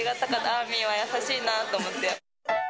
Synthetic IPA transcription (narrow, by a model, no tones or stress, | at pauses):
iɡat̪akad̪aamʲĩβajasaɕiːnat̪oːmot̪ːea